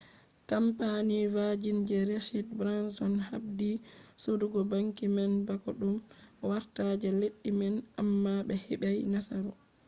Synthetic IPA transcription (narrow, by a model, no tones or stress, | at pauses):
kampanivad͡ʒind͡ʒɛɾeʃidbɾansɔnhabdisoduɡɔbaŋkimɛnbakɔɗumwaɾtad͡ʒɛleɗːimɛnamːabɛhɛɓajnasaɾɔ